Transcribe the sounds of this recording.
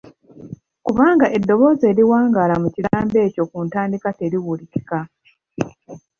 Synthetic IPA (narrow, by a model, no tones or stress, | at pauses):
kuβaːŋɡaʔe̞dːo̞βo̞ːze̞ːɾiwaːŋɡaːlamucilaːmbe̞ːco̞kuːntaːndikate̞ɾiwuliki̥ka